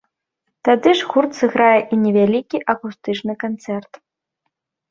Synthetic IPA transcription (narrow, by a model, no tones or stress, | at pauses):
t̪ad̪ɨʐɣurt̪sɨɣɾajɛʔinʲɛvʲalʲikʲiʔɐkust̪ɨt͡ʂnɨkant̪sɛrt̪